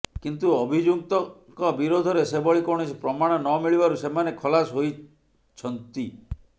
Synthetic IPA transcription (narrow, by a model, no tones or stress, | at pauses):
kint̪uɔbʱid͡ʒuk̚t̪ɔ | kɔbiɾod̪ʱɔɾesebɔɭikɔɽ̃ispɾɔmaɽ̃ɔnɔmiɭibaɾusemanekʰɔlasɦoj | t͡ʃʰɔnt̪i